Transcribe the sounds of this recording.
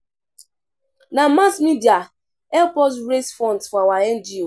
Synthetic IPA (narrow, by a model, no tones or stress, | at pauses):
namasmidia | ɛlpɔs̬ɹesfɔ̃ntfɔawaɛnd͡ʒio